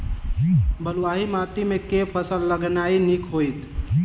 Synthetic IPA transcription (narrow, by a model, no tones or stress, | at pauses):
bəluʋaɦimat̪imekepʰəsəlːəɡnainikɦojt̪